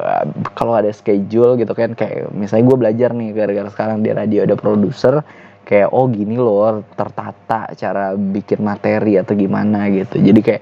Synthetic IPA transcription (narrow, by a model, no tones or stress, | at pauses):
kaloadasə̥ked͡ʒʊlɡit̪ukankaja̰ʔmisalɲaɡuabəlad͡ʒarnɪhɡaɾɡaɾsə̥kaɾaŋdia̰ɾadioadapɾodusər | kajaʔɔhɡinilɔt̪ərt̪at̪a̰ʔt͡ʃaɾabikɪnmat̪eɾiat̪aɡimanaɡit̪ud͡ʒadikajaʔ